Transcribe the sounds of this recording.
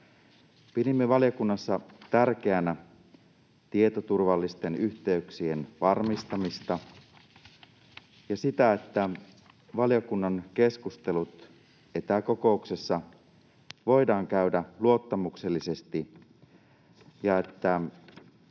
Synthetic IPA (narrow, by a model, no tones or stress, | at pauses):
piɾimːe̞ʋɑlijokunːɑsːɑt̪ærk̟e̞ænæ | t̪iet̪o̞t̪urʋɑlːist̪e̞nyçt̪e̞yksie̞nʋɑrmist̪ɑmist̪ɑ | jɑsit̪æe̞t̪ːæ | ʋɑljokunːɑnke̞skust̪e̞lut̪ | e̞t̪æko̞ko̞ukse̞sːɑ | ʋo̞jdɑːŋkæydæluo̞t̪ːɑmukse̞lːise̞st̪i | jɑe̞t̪ːæ